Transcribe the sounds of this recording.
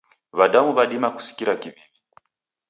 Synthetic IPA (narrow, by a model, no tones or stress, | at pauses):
βaɗamuβaɗimaku̥si̥kiɾakiβiβi